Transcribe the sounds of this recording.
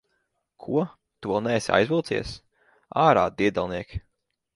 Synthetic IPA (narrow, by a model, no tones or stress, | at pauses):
kʰuɔ | t̪uɔnɛsʲia̰jzvilˠt̪ḭɛs | aːɾa̰ːd̪iɛd̪alˠniɛkʲ